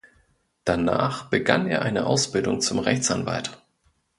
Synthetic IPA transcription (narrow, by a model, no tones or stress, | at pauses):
d̥anaːχb̥əɡa̰nʔeːɐʔaɪnəʔaʊsb̥ɪldʊŋt͡sʊmʁɛçt͡sanva̰lt